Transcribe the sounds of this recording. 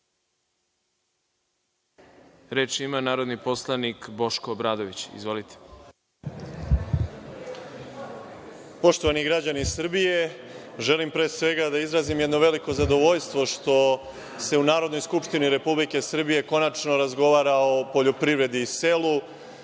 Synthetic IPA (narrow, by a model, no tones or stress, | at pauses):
ɾeːt͡ʃimanaːɾo̞d̪nipo̞slˠanikbo̞ʃkoːbɾaːd̪oʋit͡ɕḭzʋo̞lit̪ʰe̥ | po̞ʃt̪o̞ʋaniɡɾad͡ʑanisr̩bije̞ʒe̞limpɾe̞ːsʋe̞ɡad̪aizɾazimjd̪noʋe̞liko̞zad̪o̞ʋo̞ʎst̪ʋo̞ʃt̪o̞ | se̞unaːɾod̪no̞jskupʃt̪iniɾe̞publike̞sr̩bije̞ko̞nat͡ʃno̞ɾazɡo̞ʋaːɾao̞po̞ʎo̞pɾivɾe̞d̪iːse̞lu